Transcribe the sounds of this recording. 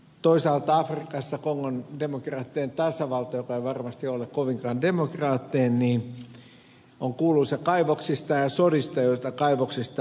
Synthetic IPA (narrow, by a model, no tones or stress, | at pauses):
t̪oisɑlt̪ɑɑfrikɑsːɑkoŋːondemokrɑːt̪ːient̪ɑsɑʋɑlt̪ɑjokɑeiʋɑrmɑst̪iolekkoʋiŋkɑːndemokrɑːt̪ːienniːn | oŋkuːlːusɑkɑiʋoksist̪ɑjɑsodist̪ɑjoit̪ɑkɑiʋoksist̪ɑ